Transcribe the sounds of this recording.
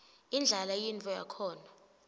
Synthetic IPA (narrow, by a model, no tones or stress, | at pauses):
ind͡ɮʱalajintʼɔja̰kʰɔːna